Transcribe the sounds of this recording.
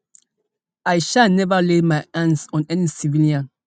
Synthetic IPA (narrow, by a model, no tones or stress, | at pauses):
ajʃalnɛvəlemajãnsɔ̃nɛnisiviliãn